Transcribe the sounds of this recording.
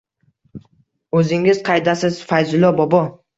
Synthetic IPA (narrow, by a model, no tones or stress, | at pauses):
ɵzɪŋɪz̥qʰɑjd̪asɪz̥fajzʊlˠɒbɒbɒ